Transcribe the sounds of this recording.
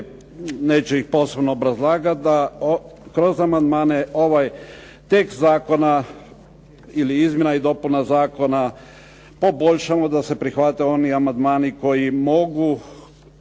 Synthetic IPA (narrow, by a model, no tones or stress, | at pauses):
ne̞ːt͡ʃeixpo̞ːse̞bnoːbɾazlˠaːɡat̪̚d̪a | kɾo̞zamand̪maːne̞o̞ʋaj | t̪e̞kst̪zaːko̞na | iliizmje̞naid̪o̞punazaːko̞na | po̞bo̞ʎʃamod̪ase̞pɾixʋat̪eo̞niamand̪maːniko̞jimo̞ɡu